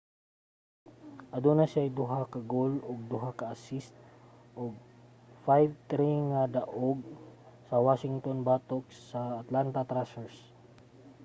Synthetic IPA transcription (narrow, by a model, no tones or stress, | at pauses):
ʔɐd̪unasajd̪ʊɦakɐɡoloɡ̚d̪ʊɦakɐʔasɪst̪̚ | ʔoɡ̚ | fajvt̪ɾiŋad̪ɐʔoɡ̚ | sɐwaʃɪŋt̪onbat̪ok̚sɐːt̪lant̪ɐt̪ɾasɛɹs